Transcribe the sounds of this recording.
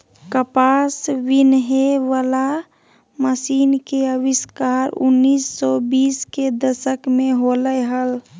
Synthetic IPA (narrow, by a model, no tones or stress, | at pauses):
kəpasʋɪnɦeʋəla | məsiːnkeəʋɪskaɾʊ̰nːiːsːɔbiːsked̪əʃəkmẽɦoləjɦəl